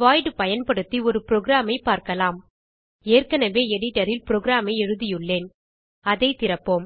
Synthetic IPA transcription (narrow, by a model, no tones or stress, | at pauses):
ʋaːjʈɯpɐjɐnpɐɽɯt̪ːiɔɾɯpɾoːɣɪɾaːmɐɪpːaːɾkɐlaːm | eːrkɐnɐʋeːɛɽɪʈːɐɾɪlpɪɾoːɡɪɾaːmɐɪɛɻɯðɪjɯɭːeːn | ɐðɐɪt̪ɪɾɐpːoːm